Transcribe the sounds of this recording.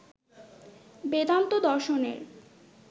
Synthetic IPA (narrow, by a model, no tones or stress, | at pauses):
bed̪ant̪od̪ɔɾʃonḛɾ